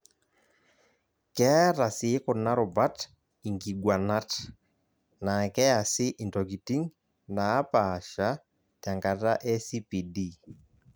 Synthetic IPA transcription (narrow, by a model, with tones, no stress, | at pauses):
kɛ˦ɾa˨sɪː˨˦ko˨na˦ɾo˨ba˦t | i˨ŋɡi˨ɡwa˨na˦t | na˨kɛ˦a˨sɪ˦ʔi˨ntɔ˨ki˨ti˦ŋ | naː˨˦pa˨ʃa˨˦ | ta˨ŋɡa˨ta˦ʔɛ˦si˦pi˨di˦˨